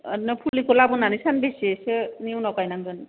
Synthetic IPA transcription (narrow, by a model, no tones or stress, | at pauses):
nɯpʰulikɔlabunanisanbeseseniwnɔkajnaŋzɔn